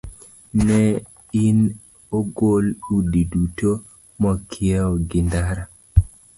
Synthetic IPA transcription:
nɛ | in | oɡoludiduto | mɔkʰɪɛɔɡɪndaɾa

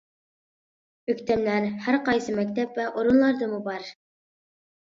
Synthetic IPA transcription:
ɵkʲt̪æmlæɾhæɾqɑjsɨmæk̚ʲt̪æpvæʔoɾunlˠɑɾd̪ɤmubɑɾ

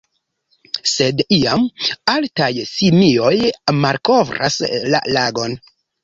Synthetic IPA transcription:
se̞diamaltajsimio̞jmalko̞vɾa̰sla̰laɡo̞n

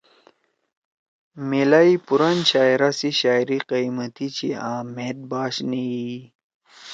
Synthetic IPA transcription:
melaipuɾanɕaːiɾasiɕaːjɾiqiimət̪it͡ɕiaːmed̪̚baːɕnii

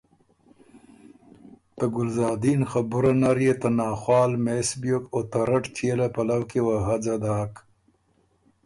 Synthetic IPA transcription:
t̪aɡʊlzɑːd̪inxabʊɾanaɾjet̪anɑːxwɑːlmesbjokot̪aɾaʈt͡ʃʰelapalawkewaɦad͡zad̪aːk

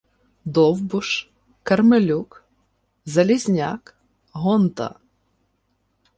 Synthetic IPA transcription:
d̪ɔwbʊʃ | kɐrmɪlʲuk | zɐlʲizʲnʲa̰k | ɦɔnt̪ɐ̰

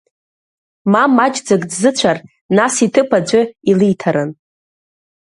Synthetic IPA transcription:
mamad͡ʒd͡zaɡʼdzɨt͡ɕʷʰar | nasitʰɨpʰad͡ʒʷʊilijtʰaɾan

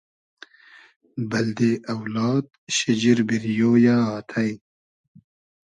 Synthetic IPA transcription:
bɐld̪eʔɐwlɑːd̪ɕid͡ʑiɾbiɾjoːjaːat̪ʰaj

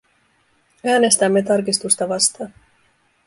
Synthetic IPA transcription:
æːne̞st̪æmːe̞t̪ɑrkist̪ust̪ɑʋɑst̪ɑːn

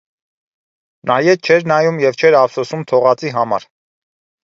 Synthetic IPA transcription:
nʔɑjɛt͡ʃʰɛɾnɑjumjɛvt͡ʃʰɛɾɑvsɔsumt̪ʰɔʁɑt͡siɦɑmɑ̰ɾ

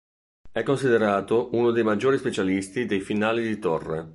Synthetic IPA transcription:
ɛkːonsid̪eɾaːt̪oʔunod̪ejmad͡ʒːoːɾispet͡ʃalist̪id̪ejfinaːlid̪it̪orːe

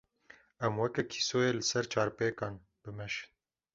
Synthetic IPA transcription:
ɛmwɛkɛkʰi̥soːjeːlɨsɛɾt͡ʃʰɑːɾpeːkɑːn | b̥ɨmɛʃɨ̥n

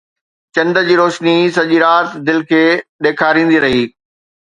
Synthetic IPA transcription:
t͡ɕɐ̃nd̪əd͡ʑiːɾoːʃnis̬ɐʄiɾaːt̪d̪ɪlkʰeːɗeːkʰaːɾĩːn̆d̪iɾɐɦiː

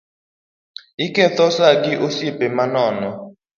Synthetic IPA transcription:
ikɛθɔsakiʔusipɛmanɔːnɔ

